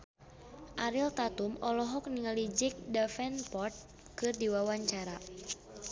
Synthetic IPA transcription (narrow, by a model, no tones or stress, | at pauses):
ʔaɾilt̪at̪umɔlɔɦɔk̚niŋalid͡ʒik̚dafɛnpɔrt̪̚ | kɨrdiwawaɲt͡ʃaɾa